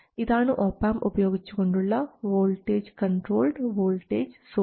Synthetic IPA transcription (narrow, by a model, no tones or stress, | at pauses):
ɪd̪aːnuʔoːpaːmʔʊpɐjoːɡɪt͡ʃːu̥koɳɖuɭːɐʋoːlʈeːd͡ʒkɐɳʈɾoːlɖʋoːlʈeːd͡ʒsoː